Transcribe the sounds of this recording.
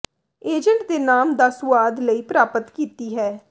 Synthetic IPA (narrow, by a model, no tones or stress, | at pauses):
eːd͡ʒəɳʈd̪eːnaːmd̪əsʋaːd̪ləiːpɾaːpət̪kiːt̪iːɦɛː